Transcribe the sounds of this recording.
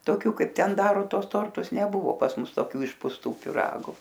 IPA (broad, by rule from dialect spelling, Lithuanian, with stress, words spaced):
toːˈkʲuː ˈkɐɪp ˈtʲɛn ˈdɑːroː ˈtuɔs ˈtoːrtʊs nʲɛˈbʊʋoː pɐs ˈmʊs toːˈkʲuː ɪʃpʊsˈtuː pʲɪˈrɑːɡʊ